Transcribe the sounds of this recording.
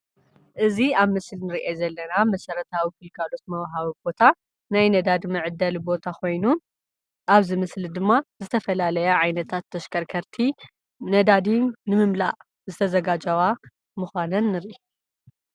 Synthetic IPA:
ʔɨziaβmɨslnɨɾiʔezɐlːɐnamɐsɐɾɐt̪ʰawikɨlkʰalo̞t̪̚mɐwɦaβibo̞t̪ʰa | najnɐd̪ad̪mɨʕɨd̪ɐlbo̞t̪ʰakʰo̞jnu | ʔaβzɨmɨslid̪ɨmːazɨt̪ʰɐfɐlalɐjaʕajnɐt̪ʰat̪ʰːɐʃkʰɐɾkʰɐɾt̪ʰi | nɐd̪ad̪iːɨmɨmla̰ʔ | zɨt̪ʰɐzɐɡad͡ʒɐwa | muxʷanɐnːɨɾʔe

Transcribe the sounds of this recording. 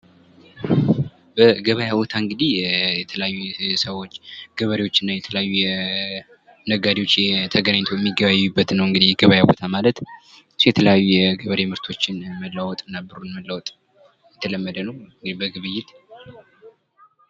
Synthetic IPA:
bəɡəβəjabot̪ʰaɨŋɡɨd̪ihjɛt̪ʰələjajːusəwot͡ʃːɡ̥əβəɾewo̞t͡ʃːɪnːajɛt̪ʰələjajːujɛ | nəɡad̪ewot͡ʃːɛt̪ʰəɡənaɲt̪ʰojɛmːiɡːəβajːubːət̪nəwɨŋɡɨd̪ijɡəβajabot̪ʰamalət̪ | ɨsujɛt̪ʰələjajːujɛɡəβəɾemɨɾt̪ʰo̞t͡ʃːɪnməlːawɔt̪ʼɨnːabɨɾonməlːəwɔt̪ʼ | jɛt̪ʰələmːəd̪ənəwɨŋɡɨd̪ibəɡɨβɨjːɪt̪

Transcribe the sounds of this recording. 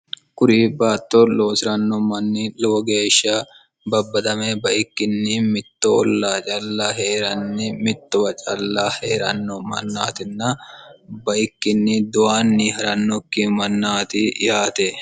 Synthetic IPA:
kʊɾiːbaːt̪ːɔloːsɪɾɐnːɔmɐnːilɔwɔɡe̞ːʃːɐ | bɐbːɐd̪ɐmebɐʔɪkːɪnːɪmɪt̪ːɔɔ̰lːaːt͡ʃʼɐlːɐheːɾɐnːɪmɪt̪ːɔwɐt͡ʃʼɐ̰lːɐheːɾɐ̰nːɔmɐ̰nːa̰ːt̪ɪnːɐ | bɐʔɪkːɪnːɪd̪ʊwaːnːɪɦɐɾɐnːɔkːɪmɐnːaːt̪ɪjaːt̪e

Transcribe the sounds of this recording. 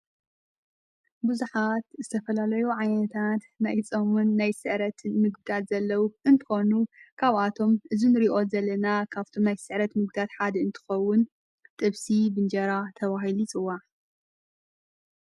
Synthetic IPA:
buzuħat̪zɨt̪ʰɐfɐlalɐjuʕajnɐt̪ʰat̪najt͡sʼɐmunːajsɨʕɾɐt̪ʰɨnmɨɡd̪at̪z̥ɐlːɐwuʔɨnt̪ʰɨ̥xo̞nukʰaβʔat̪ʰo̞mʔɨzinɨɾiʔo̞zɐlːɐnakʰaβt̪ʰo̞mnajsɨʕɾɐt̪mɨɡ̚d̪at̪ħad̪ɨnt̪ʰɨ̥xɐwːʊn | t̪ʼɨβsibɨnd͡ʒɐɾat̪ʰɐβaɦilit͡sʼɨwːaʕ

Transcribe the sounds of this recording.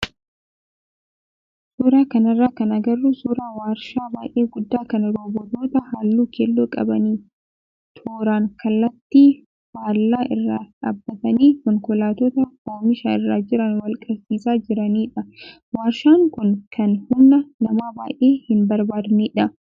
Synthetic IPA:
suːɾaːkɐnɐrːaːkɐnɐɡɐrːusuːɾaːwaːɾʃaːbaːjʔeːɡʊd̪ːaːkɐnɐɾoːbɔt̪oːt̪ɐhaːlːuːkʰeːlːoːkʼɐ̰bɐniː | t̪ʰoːɾaːŋkɐlːɐt̪ːiː | haːlːaːʔɪrːaːᶑaːbːɐt̪ɐniːkɔŋkʊlaːt̪oːt̪ɐfoːɾmɪʃaːɪrːaːd͡ʒɪɾɐnwɐlkʼɐɾsiːsaːd͡ʒɪɾɐniːᶑɐ | waːɾʃaːŋkʊnkʰɐnhʊnːɐnɐmaːbaːjʔeːhɪnbɐɾbaːd̪niːᶑɐ

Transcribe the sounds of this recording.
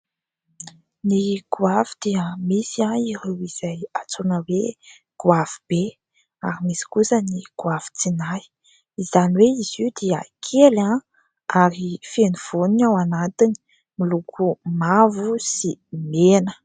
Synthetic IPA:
niɡuavid̪̥iəmisiaiɾewiz̥ajat͡sonəwe | ɡ̥uavub̥e | a̰ɾimisi̥kusəniɡ̥uav̥i̥t͡sinaj | izaniweiziud̪iə̰kʰela | aɾifeniv̥oninawanat̪ini̥ | milukʰumavusimenə̥

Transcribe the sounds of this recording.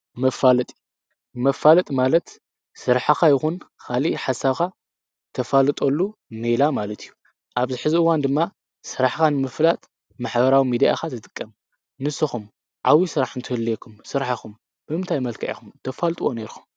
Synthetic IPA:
mɐfalɐt̪ʼi | mɐfːalɐt̪ʼmalɐt̪ | sɨɾħaxajɪxunkʰaliħasaβka | t̪ʰɐfalɨt̪ʼolːunejlamalɐt̪ʰijːu | ʔaβzɨħɨziʔɨwand̪ɨmːa | sɨɾaħkanɨmɨflat̪ʼ | maħbɐɾawimid̪ija̰xat̪ɨt̪ʼɨ̥kʼːɐm | nɨsːɨxum | ʕawisɨɾaħɨnt̪ʰɨhɨlːiekʰumsɨɾħaxum | b̥ɨmɨnt̪ʰajmɐlkʰɐʔḭxumt̪ʰɐfalt̪ʼuwone̞ɾxu̥m

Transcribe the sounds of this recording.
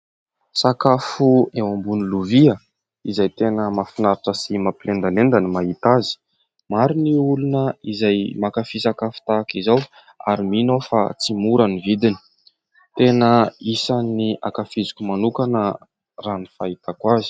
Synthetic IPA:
sakafuewambuniluviə | izajt̪enəmafinaɾaʈ͡ʂəsimapilend̪alend̪animaɦit̪azi̥ | maɾiniulunəizajmakafisakafu̥t̪akizaw | a̰ɾiminofa̰t͡simuɾanivid̪ini̥ | t̪enəisanːiakafizikʲumanukanə | ranifait̪akwazi̥

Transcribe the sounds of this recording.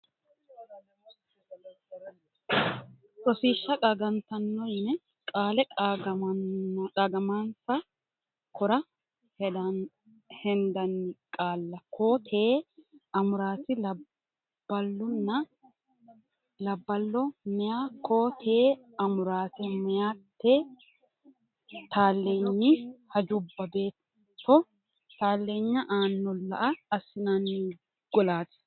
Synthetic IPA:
sɔsiːʃːɐkʼɐɡɐnt̪ɐnːɔjnɛ | kʼaːlɛ | ɐɡɐmaːnsɐ | kʰɔɾɐ | d̪ | hɛnd̪ɐnːɪkʼaːlːɐkʰoːt̪ʰeːɐmʊɾaːt̪ɪ | b̥ɐlːʊnːɐ | lɐbːɐlːɔmɛjaːkʰoːt̪ʰeː | ɐmʊɾaːt̪ɪmɛjaːt̪ːeː | t̪ʰaːlːeːɲːɪhɐd͡ʒʊbːɐbe̞ːt̪ː | ɔ | t̪aːlːeːɲːɐʔaːnːɔlːɐ̰ʔɐːsɪnanːɪ | ɡ̥ɔlaːt̪ɪ̥

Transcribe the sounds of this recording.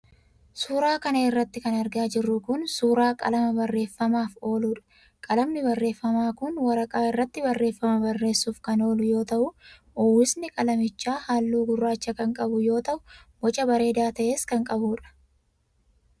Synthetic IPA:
suːɾaːkɐnɐɪrːɐt̪ːɪkɐnɐɾɡaːd͡ʒɪrːʊkʊnsuːɾaːkʼɐ̰lɐmɐbɐrːe̞ːfːɐmaːfo̞ːluːᶑɐ̥ | kʼɐlɐmnɪbɐrːe̞ːfːɐmaːkʊnwɐɾɐkʼaːɪrːɐt̪ːɪbɐrːe̞ːfːɐmɐbɐrːe̞ːsːuːfkɐno̞ːlʊjo̞ːt̪ɐʔʊʔʊwːɪsnɪkʼɐlɐmɪt͡ʃːaːhaːlːuːɡʊrːaːt͡ʃːɐkɐŋkʼɐbʊjo̞ːt̪ɐʔʊbɔt͡ʃʼɐbɐɾe̞ːd̪aːt̪ɐʔe̞ːskɐŋkʼɐbuːᶑɐ̥

